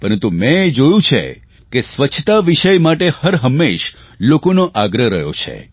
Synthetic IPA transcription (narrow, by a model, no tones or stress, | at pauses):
pəɾənt̪umɛ̃ed͡ʒojũt͡ʃʰḛ | kesʋət͡ʃʰt̪aʋiʃəjmaʈehəɾɦəmːeʃlokonoʔaɡɾəɾəɦjo̰t͡ʃʰḛ